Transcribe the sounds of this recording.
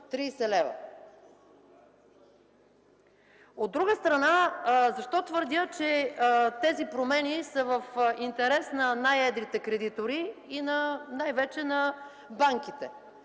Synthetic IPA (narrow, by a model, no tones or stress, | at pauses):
t̪ɾiːsɛlɛvɐ̰ | od̪ːɾuɡəst̪ɾɐnazɐʃt̪ɔt̪vəɾd̪ʲət͡ʃɛt̪ɛzipɾomɛnisəvəfint̪ɛɾɛsnɐnajɛd̪ɾit̪ɛkɾɛd̪it̪oɾiinɐnajvɛt͡ʃɛnɐ | baŋkit̪ɛ